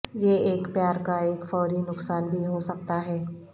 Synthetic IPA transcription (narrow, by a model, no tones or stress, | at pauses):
jeeːkpjaːɾkaeːkfɔːɾinʊksaːnbʱiɦosɐk̚t̪aɦɛː